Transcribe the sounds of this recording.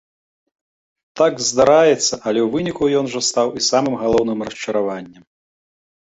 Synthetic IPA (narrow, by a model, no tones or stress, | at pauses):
t̪aɡzd̪aɾajɛt̪sːɐʔɐlʲɛwvɨnʲikujɔnʐɐst̪awisamɨmɣalˠɔwnɨmrɐʂt͡ʂɐɾavanʲːɐm